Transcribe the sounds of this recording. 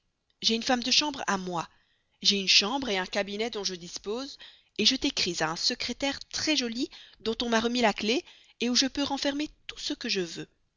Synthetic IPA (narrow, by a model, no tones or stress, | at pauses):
ʒeynfamd̪əʃɑ̃bʁa̰mwa | ʒeynʃɑ̃bʁeɛ̃kabinɛd̪ɔ̃ʒəd̪ispoːz | eʒət̪ekχizaɛ̃səkχet̪ɛʁt̪χɛʒɔlid̪ɔ̃t̪ɔ̃maʁəmilakle | euʒəpøʁɑ̃fɛʁmet̪u̥səkəʒəvø